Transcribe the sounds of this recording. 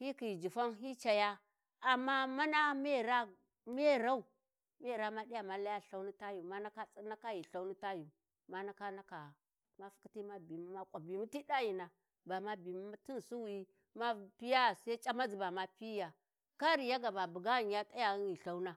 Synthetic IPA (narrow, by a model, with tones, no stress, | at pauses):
hi˦ki˨d͡ʒi˨fa˦nɦi˦t͡ʃa˨ja˦ | a˨mːa˦ma˦na˦me˦˨ɾa˦ | me˦˨ɾa˦u˨ | me˦˨ɾa˦ma˦ɗi˦ja˨ma˨la˦ja˦˨ɬa˦u˦ni˦ta˦ju˨ma˦na˦ka˦t͡sʼi˦na˦ka˦ji˨ɬa˦u˦ni˦ta˦ju˨ | ma˦na˦ka˦na˦ka˨ | ma˦fu̥˦ki˦ti˦ma˦bi˨mu˦ma˦kʼa˨bi˨mu˦ti˦da˦ji˨na˨ | ba˨ma˦bi˨m˦ma˦ti˦n˨su˦wi˦ | ma˦pi˦ja˦˨sa˦i˦t͡ʃʼa˦ma˦d͡zi˨ba˨ma˦pi˦ja˨ | ka˦ɾi˨ja˦ɡa˨ba˨bu˨ɡa˦˨n˨ja˦tʼa˦ja˨˦i˨ɬa˦u˦na˦